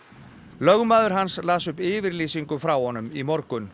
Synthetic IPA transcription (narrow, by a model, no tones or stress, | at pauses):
lœɣmaːðʏɾ̥ɦanslaːsʏpɪːvɪɾliːsiŋkʏfɾawhɔnːʏmimɔɾkʏn